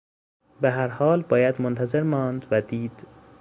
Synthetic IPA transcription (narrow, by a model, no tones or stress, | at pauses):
beɦæɾhɒːlbɒːjæd̪mont̪ʰæzeɾmɒːnd̪væd̪iːd̪̥